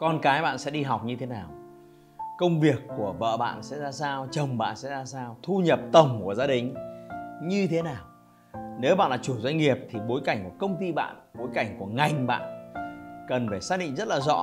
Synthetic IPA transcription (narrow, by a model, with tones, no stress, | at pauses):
kɔ˧nkaː˨˦jɓa̰ː˧˨nsɛ̰˧˥ɗi˧ɦa˨˩wk͡p̚ɲɨ˧t̪ʰe˨˦naː˨˩w | kə˧wŋ͡mvi˨˩əkːu˧˩əvə̰ː˧˨ɓa̰ː˧˨nsɛ̰˧˥zaː˧saː˧wt͡ɕə˨˩wŋ͡mɓa̰ː˧˨nsɛ̰˧˥zaː˧saː˧wt̪ʰu˧ɲə˨˩p̚t̪ə˨˩wŋ͡mku˧˩əzaː˧ɗï˨˩ŋ̟ | ɲɨ˧t̪ʰe˨˦naː˨˩w | ne˨˦wɓa̰ː˧˨nlaː˨˩t͡ɕu˧˩zwa˧jŋ̟ŋi˨˩əp̚t̪ʰi˨˩ɓo˨˦jka˧˩jŋ̟ku˧˩əkə˧wŋ͡mt̪i˧ɓa̰ː˧˨nɓo˨˦jka˧˩jŋ̟ku˧˩əŋa˨˩jŋ̟ɓa̰ː˧˨n | kə˨˩nfaː˧˩saː˦˥k̚ɗḭ˧˨ŋzə˦˥t̚laː˨˩zɔ̰˧˥